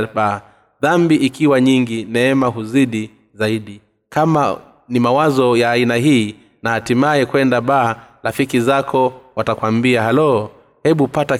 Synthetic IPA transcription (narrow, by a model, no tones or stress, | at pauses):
ɓaː | ðambiʔikiwaɲiŋɡinɛɛmaɦuziɗi | zaiɗi | kama̰ | nimawazɔjaːinaɦiː | nahatimajɛkwɛndaɓaːlafikizakʰɔwatakwambiaɦalɔ | hɛɓupata